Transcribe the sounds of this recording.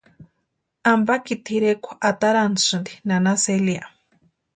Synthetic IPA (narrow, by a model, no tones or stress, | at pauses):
ambakit̪ʰiɾekʷo̥ʔat̪aɾansɨnd̪inanaselia